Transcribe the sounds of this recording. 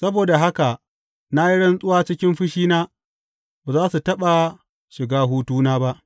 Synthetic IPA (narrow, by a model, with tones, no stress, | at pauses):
sɐ˦boː˨da˨ɦa˦ka˨ | na˦ji˦ɽɐ˦nsʼʊ˦waː˦t͡ʃɪ˦kʲɪ˦mɸɪ˦ʃiː˦naː˦ | baː˨zaː˦su˨tɐ˦ɓa˨ | ʃɪ˨ɡaː˦ɦuː˦tuː˦naː˦ba˦ʔ